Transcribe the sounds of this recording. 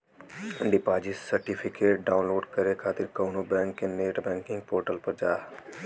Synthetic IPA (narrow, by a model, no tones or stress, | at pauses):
ɖɪpaːd͡ʒissɐɾʈipʰɪkeːʈ̚ɖaːʊ̃nloːɖkɐɾekʰaːt̪ɪɾkɐːnobɛ̃ːŋkːeneːʈbɛ̃ːŋkɪ̃ŋɡ̚poːɾʈəlpɐɾd͡ʒaː